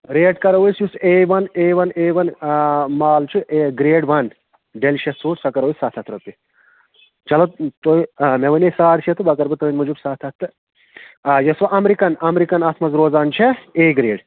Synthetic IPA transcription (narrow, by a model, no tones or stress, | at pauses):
ɾeːɖkɐɾɐʋjsjuseːʋɐneːʋɐneːʋɐnmaːlt͡ʃʰuʔeɡɾeːɖʋɐn | ɖelʃɐsuːɾsɐkɐɾoːisat̪ʰɐt̪ʰɾɐp̪i | t͡ʃɐlɐt̪t̪oimeʋɐnesaːɾt͡ʃʰet̪ʰubɐkɐɾbɨt̪ɐinʲmud͡ʒubsat̪ʰɐt̪ʰːɨ | jɐsʋɐʔɐmɾikɐnɐmɾikɐnɐt̪ʰmɐzɾoːzaːnt͡ʃʰeeːɡɾeːɖ